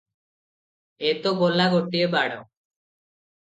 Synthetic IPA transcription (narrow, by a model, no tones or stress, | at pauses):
et̪obolaɡoʈiebaɽɔ̰